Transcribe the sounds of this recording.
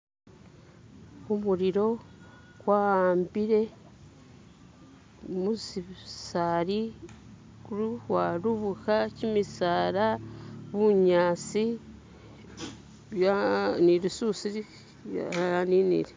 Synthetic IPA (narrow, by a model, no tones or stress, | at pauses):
umuɾiɾo̞ | kwahaːmbiɾe̞ | muziβsaːɾi | kuɾuwaɾuβukacimisaːɾaβuɲaːt͡si | janiɾisusii | a̰aninḭɾe